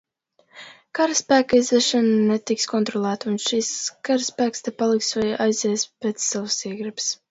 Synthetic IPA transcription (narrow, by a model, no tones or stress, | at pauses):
kaɾɨspæːkajzvɛʃɛnnɛt̪ikskɔnt̪ɾɔlˠæːt̪unʃiskaɾspæːkst̪ɛpalˠiksvajajzʲɛːspet̪sːavsiɛɡɾɨbs